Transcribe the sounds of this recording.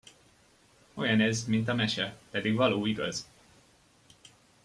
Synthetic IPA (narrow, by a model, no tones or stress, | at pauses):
o̞jɒnɛzmint̪ɒmɛʃɛpɛd̪iɡvɒloːiɡɒ̰z